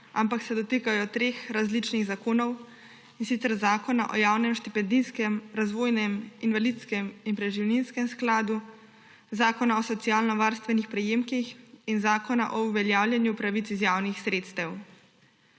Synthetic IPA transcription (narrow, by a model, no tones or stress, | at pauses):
ampaksɛd̪ɔt̪eːkajɔt̪ɾeːxɾazlit͡ʃniɣzakoːnɔw | insit̪sɛɾzaːkɔna̰ʔɔjaːwnɛmʃt̪ipɛnd̪iskɛmɾazʋoːjnɛminʋalit̪skɛminpɾɛʒiwninskɛmsklaːd̪u | zaːkɔnaɔsɔt̪sijaːlnɔʋaːɾst̪ʋɛnixpɾɛjeːmkixinzaːkɔna̰ʔɔuʋɛljaːwljɛnjupɾaʋitsizjaːwnixsɾeːt̪st̪ɛw